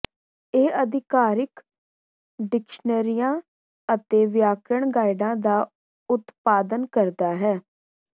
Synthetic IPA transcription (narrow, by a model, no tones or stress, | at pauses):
eːəd̪ɪkaːɾɪk | ɖɪkʃnəɾijãː | ət̪eːʋɪjaːkɾəɳɡaːɪɖãːd̪aː | ʊt̪paːd̪ənkəɾd̪aːɦɛː